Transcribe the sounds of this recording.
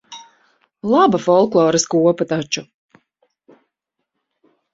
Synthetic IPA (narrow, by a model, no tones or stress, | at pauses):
lˠabafɔlˠklˠɔːɾɨskuɔpat̪at͡ʃu